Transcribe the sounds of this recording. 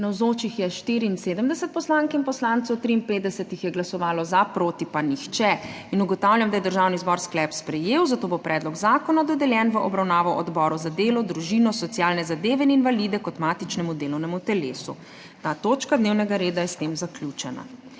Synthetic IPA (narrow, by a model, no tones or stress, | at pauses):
nawzoːt͡ʃixjɛʃt̪iːɾiinseːd̪əmd̪ɛsət̪̚pɔslaːŋkinpɔslant̪sowt̪ɾiːnpeːt̪d̪ɛsɛt̪ixjɛɡlasɔʋaːlɔzapɾoːt̪ipanixt͡ʃɛ | inuɡɔt̪awljamd̪ajɛd̪əɾʒaːwnizbɔɾsklɛpspɾɛjeːwzat̪oːbopɾʔɛːd̪lɔɡzaːkɔnad̪ɔd̪ɛljɛːnʋəʔɔbɾawnaːʋɔʔɔd̪bɔːɾuzad̪eːlɔd̪ɾuʒiːnɔsɔt̪sjaːlnɛzad̪eːʋɛininʋalid̪ɛkɔt̪maːt̪it͡ʃnɛmud̪eːlɔwnɛmut̪ɛleːsu | t̪aːt̪oːt͡ʃkad̪neːwnɛɡaɾeːd̪ajɛst̪eːmzaklʲjut͡ʃɛna̰